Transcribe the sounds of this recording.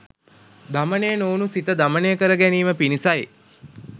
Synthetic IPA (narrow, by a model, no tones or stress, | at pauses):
d̪amənejənoːnusit̪əd̪amənejəkəɾəɡæniːməpinisaje